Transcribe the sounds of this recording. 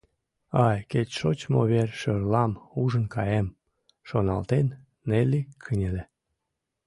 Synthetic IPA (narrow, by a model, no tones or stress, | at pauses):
ɑjket͡ɕʃot͡ɕmoβerʲʃørlɑmuʒənkɑjem | ʃonɑlt̪enː | elʲikʰənʲele